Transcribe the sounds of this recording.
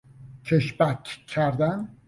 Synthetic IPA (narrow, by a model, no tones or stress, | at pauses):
cʰeʃbækʰkʰːæɾd̪æn